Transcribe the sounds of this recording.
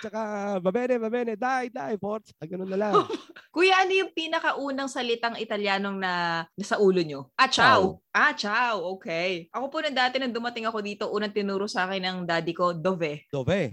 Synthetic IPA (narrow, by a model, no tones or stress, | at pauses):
t͡ʃɐkabɐbɛnɛbɐbɛnɛd̪ajd̪ajpoɾ̚t͡ʃɐaɡɐnonːɐlakʊjaːnojʊŋpiːnɐkɐʔuːnɐŋsɐlɪt̪aŋɪt̪ɐljaːnoŋnɐnɐsɐʔuːlo̞ɲo̞ʔat͡ʃawʔat͡ʃawʔoːkɛjʔɐko̞punɐŋd̪aːt̪ɛnɐŋd̪ʊmɐt̪ɪŋɐko̞d̪iːt̪o̞ʔuːnɐŋt̪ɪnuːɾosaːkɪnːɐŋd̪aːd̪ɪko̞d̪ovɛd̪ovɛ